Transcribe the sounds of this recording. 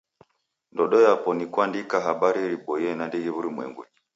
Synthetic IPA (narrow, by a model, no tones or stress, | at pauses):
ndɔɗɔjapɔnikwandikaɦaɓaɾiɾipɔjɛnandiɡiβuɾimwɛ̰ŋɡu